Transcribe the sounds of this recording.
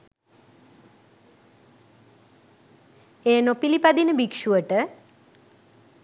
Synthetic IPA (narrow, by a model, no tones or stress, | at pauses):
eːnopilipad̪inəbikʃuəʈə